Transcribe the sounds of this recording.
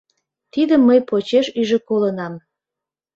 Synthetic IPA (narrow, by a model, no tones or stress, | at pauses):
t̪id̪əmːəjpot͡ɕeʃyʒekolənɑm